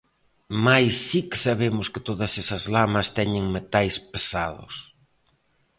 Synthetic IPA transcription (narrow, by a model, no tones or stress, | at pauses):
majsːikɪ̥saβemʊskɪt̪oðɐsesɐzlamɐst̪ɛɲɪŋmet̪ajspesaðʊ̰s